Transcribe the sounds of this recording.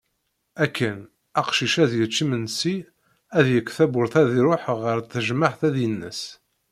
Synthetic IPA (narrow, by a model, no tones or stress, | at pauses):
ækʰːən | æqʃiʃæðjət͡ʃːimənsi | æðjəkʷːθæbʊɾθæðiɾoħʁəɾθəʒməħθæðjənːə̰s